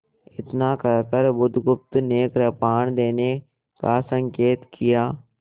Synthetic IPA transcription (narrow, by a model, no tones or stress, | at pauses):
ɪt̪nakəɾkəɾbʊd̪ʱɡʊp̚t̪neːkɾəpaːɳ̃d̪eːne | kasə̃ŋkeːt̪kʰijaː